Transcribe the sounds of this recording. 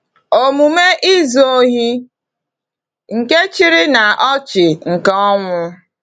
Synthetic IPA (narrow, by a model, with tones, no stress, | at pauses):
o˦mu˨me˦ʔi˦zoo˦ɦi˦ | ŋ̩˨ke˦t͡ʃi˦ɾɪ˦na˨ʔɔ˦t͡ʃɪ˨ŋ̩˨kɔ˦ŋʷʊ˦